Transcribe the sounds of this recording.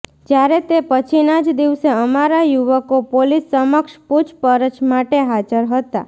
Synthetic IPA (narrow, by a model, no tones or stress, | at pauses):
d͡ʒjaɾet̪epət͡ʃʰinad͡ʒd̪iʋseəmaɾajuʋəkopolisːəməkʃpud͡ʒpəɾət͡ʃmaʈeɦad͡ʒəɾɦət̪a̰